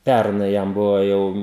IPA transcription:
ˈpʲærnɐɪ ˈjɛm ˈbʊʋoː ˈjɛʊ

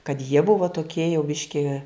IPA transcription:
kɐt jiɛ ˈbʊʋoː toːˈkʲiɛ jɛʊ ˈbʲɪʃʲkʲɪ

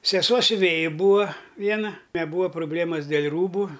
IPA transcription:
sʲɛˈsuɔ sʲʊˈʋʲeːjɪ ˈbuːɐ ˈʋʲiɛnɐ nʲɛˈbuːɐ proːˈbʲlʲeːmɐs dʲeːlʲ ˈruːbʊ

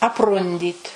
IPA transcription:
ɐpˈrʊnʲdʲiːt

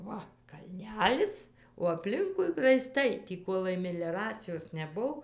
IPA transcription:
ˈʋɐ kɐlʲˈnʲæːlʲɪs oː ɐpʲˈlʲɪŋkʊɪ rɐɪˈstɐɪ tʲiː ˈkoːlˠɐɪ mʲɛlʲɛrɐt͡sʲɪjoːs nʲɛˈbʊw

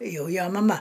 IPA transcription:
ˈjɛʊ ˈjoː mɐˈmɐ

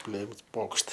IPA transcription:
ˈpʲlʲeːms ˈpoːkʃt

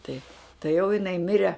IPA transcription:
tɐɪ tɐɪ jɛʊ jɪˈnɐɪ ˈmʲɪrʲɛ

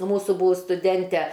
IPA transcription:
ˈmuːsuː ˈbuːʋʊs stʊˈdʲɛnʲtʲɛ

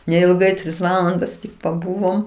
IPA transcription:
nʲɛɪlˠˈɡɐɪ ˈtʲrʲɪs ˈʋɑːlˠɐndɐs tʲɪk pɐˈbuːʋoːm

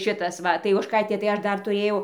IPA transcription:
ˈʃʲɪtɐs ˈʋɐ tɐɪ oːʃˈkɐɪtʲeː tɐɪ ˈɐʃ ˈdɐr tʊˈrʲeːjɛʊ

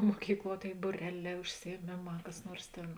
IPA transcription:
moːˈkʲiːkˌlˠuɔ ˈtʲeːɪ bʊˈrʲæːˌlʲɛː ʊʃʲsʲɪjiɛˈmʲeːˌmɑː kɐs ˈnuɔrs ˈtʲeːn

